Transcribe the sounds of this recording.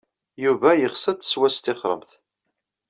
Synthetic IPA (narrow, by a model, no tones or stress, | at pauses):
juvæjəχsəd̪swæst̪ɪχɾˤə̰mθ